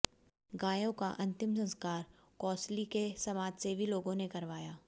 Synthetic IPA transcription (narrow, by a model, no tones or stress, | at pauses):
ɡaːjõkaʔɐ̃nt̪ɪmsɐ̃nskaːɾ | kɔːslikesɐmaːd͡ʒsebʱiloːɡõnekɐɾʋaːjaː